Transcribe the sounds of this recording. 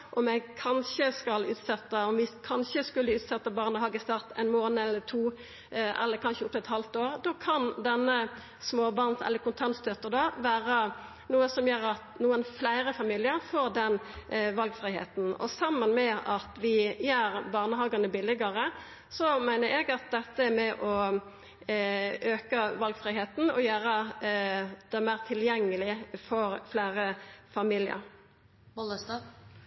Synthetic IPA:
ʔɔmɛɡkʰɑnʃəskɑlʉːt̪sɛt̪ːəɔmʋɪkʰɑnɕəskʉlːəʉːt̪sɛt̪ːəbɑːʁnəhɑːɡəst̪ɑʁt̪æ̰ɪnmoːnəɛlːət̪ʰuː | ɛ̰lːəɾkʰɑnʃəʊp̚t̪ɛt̪hɑlft̪oːʁd̪okʰɑnd̪ɛnːə | smoːbɑːʁnsɛ̰lːəkʊnt̪ʰɑnst̪ʰœt̪əʁd̪ɑʋæːʁə | nuːəsɔmjøːɾɑt̪nuːənflæɪɾəfɑmiːlɪəʁfoːɾd̪ɛnʋɑlɡfɾɪhḛːt̪n̩ɔ̰sɑmːənmɛɑt̪ʋɪjøːɾbɑːʁnəɦɑːɡɑnəbɪlːɪɡɑɾə | sɔmæɪnəɾɛɡɑt̪̚d̪ɛt̪ːəæmɛʔɔ | øːkəʋɑlɡfɾɪɦeːt̪n̩ɔjæːɾə | d̪̥ɛmæɪːʁt̪ʰɪljɛŋːəlɪfɔɾflæɪɾəfɑmiːlɪə̰ɾ | ɔləst̪ɑ

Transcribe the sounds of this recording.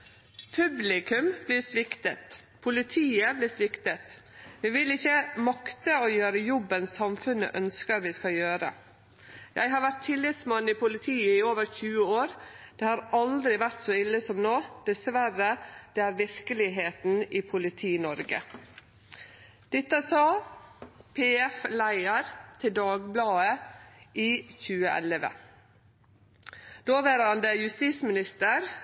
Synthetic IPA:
pʰʉblɪkʉmbliːsʋɪkt̪ət̪ | pʰʊlɪt̪ʰiːəblɪsʋɪkt̪ət̪ | ʋɪʋɪlɪçːəmɑkt̪əɔjøːɾəjɔbənsɑmfʉnə̰ʔœnskəɾʋɪskɑjøːɾə̰ | jæ̰ɪɦɑɾʋæt̪ʰːɪlːɪt̪smɑnːɪpʰʊlɪt̪ʰiːəɪoːʋəɾçʉːəoːɾd̪̥eːhɑːɾɑld̪ɾɪʋæɾt̪sɔːɪlːəsɔmnoːd̪̥ɛsʋæɾəd̪̥eːæːɾʋɪɾkəlɪɦeːt̪n̩iːpʰʊlɪt̪ʰiːnɔɾɡə̰ | d̪̥ɪt̪ːəsɑː | pʰeːɛflæɪəɾt̪ʰɪld̪ɑːɡblɑːəʔiːçʉːəʔɛ̰ləʋə̰ | d̪̥oːʋæːɾɑnd̪əjʉst̪ismɪnɪst̪əɾ

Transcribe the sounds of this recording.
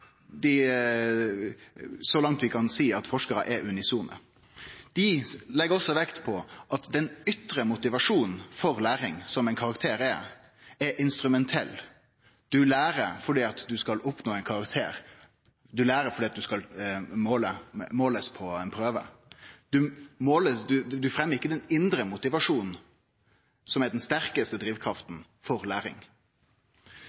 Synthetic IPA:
d̪ɪ | sɔlɑŋt̪ʋɪkʰɑnsiːɑt̪fɔʂkəɾə̰ʔɛɾʉnɪsuːnə̰ | d̪̥ɪlɛɡːəɾɔsːɔʋɛkt̪pʰɔʔɑt̪d̪ɛnʏt̪ɾəmʊt̪ɪʋɑʂuːnn̩fɔɾlæːɾɪŋsɔmæɪnkʰɑʁɑkt̪ʰeːɾɛ | ɛɾʔɪnst̪ɾʉmɛnt̪ʰɛlː | d̪̥ʉlæːɾəɾfɔɖiːɑt̪d̪ʉskɑlʔʊpnoːɛɪnkʰɑɾɑkt̪ʰḛːɾ | d̪ʉlæːɾəfɔɖ̪iːɑt̪̚d̪ʉskɑlmoːləmoːləspʰɔɛɪnpʰɾøːʋə̰d̪̥ʉmoːləsd̪ʉd̪ʉfɾɛmːəʁɪkːəd̪ɛnɪnd̪ɾəmʊt̪ɪʋɑʂuːn̩ | sɔmɛɖɛnst̪æɾkəst̪əd̪ɾiːʋkʰɾɑft̪n̩ | fɔɾlæːɾɪ̰ŋ

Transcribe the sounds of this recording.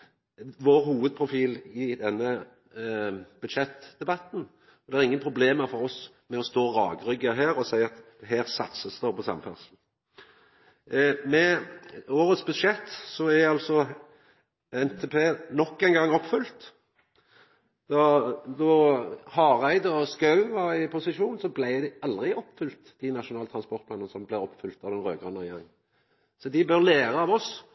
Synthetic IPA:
ʋoːɾhuːʋəd̪̚pʰʁʊfiːlɪd̪ɛnːə | b̥ʉd̪ʃɛt̪ːd̪ɛbɑt̪n̩ | ɔd̪ɛæʁɪŋːənpʰɾʊbleːməɾfɔɾɔs | mɛɔst̪oːɾɑːɡɾʏɡəɦæːɾɔsæɪɑt̪d̪̥ɛɦæːʁsɑt̪səsd̪ɔpɔsɑ̰mfæ̰ʁsn̩ | mɛ | oːɾət̪sbʉd̪ʂɛt̪ːsɔæɑlsɔ | ɛnt̪ʰeːpʰeːnɔkːæɪnɡɑŋːɔpfʏlt̪ | d̪̥ɔd̪ɔhɑːʁæɪd̪əɔskɑʉʋɑɾɪpʰʊsɪʃuːnsɔblæɪd̪ɪɑld̪ʁɪɔpːfʏlt̪d̪̥ɪnɑʃʊnɑːlət̪ʰʁɑnspɔʁt̪̚pʰlɑːnənəsɔmblæɪɔpfʏlt̪ɑʋd̪ɛnʁøːɡʁʉnəʁjæʁɪŋə | sɔd̪ɪbœʁleːɾəɑːʋɔs

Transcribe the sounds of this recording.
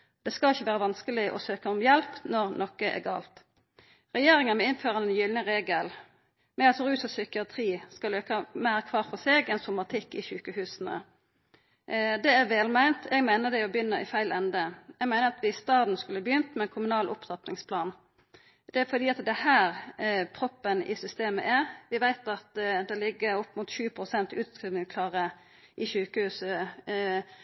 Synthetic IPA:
d̪̥ɛskɑlɪçːəʋæːʁəʋɑnskəlɪʔɔ̰søːkəʊmjɛlpnɔʁnɔkːəʔɛ̰ɡɑ̰ːlt̪ | ʁɛjeːʁɪŋənmɛɪnføːʁɑnɛnjʏlnəʁeːɡəl | mɛɑlsɔʁʉːsɔsʏkɪɑt̪ʰʁiːskɑløːkəmæɪʁkʰʋɑːʁfɔseːɡɛnsʊmɑt̪ʰɪkːɪçʉːkəhʉːsən̩ə̰ | d̪ɛæʁʋɛːlmæɪnt̪ʰɛɡmæɪnəd̪ɛɔbjʏnːəɪfæɪlɛnd̪əɛɡmæɪnəʁɑt̪ʋɪst̪ɑːd̪n̩skʉlːəbəjʏnt̪mɛnkʰʊmʉnɑːlʔʊpt̪ɑt̪nɪŋspʰlɑːn | d̪ɛæfɔd̪iːɑt̪d̪ɛhæːɾpʰɾɔpːənɪ̰sʏst̪eːmə̰ʔæʁʋɪʋæɪt̪ɑt̪d̪ɛlɪɡːəɾɔpːmʊt̪ɕʉːpʰʁʊsɛnt̪ʉːt̪skʁiːʋnɪŋskʰlɑːʁə | ʔɪçʉːkəhʉːsə

